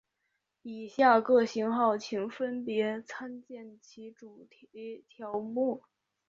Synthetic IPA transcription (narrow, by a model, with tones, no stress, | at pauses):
i˨˩ɕja˥˧kɤ˥˩ɕi˧˥ŋxɑ˥˩ʊt͡ɕʰi˧˥ŋfə˥npjɛ˧˥t͡sʰa˥nt͡ɕjɛ˥˩nt͡ɕʰi˧˥ʈ͡ʂu˨˩t̪ʰt̪ʰjɑ˧˥ʊmu˥˩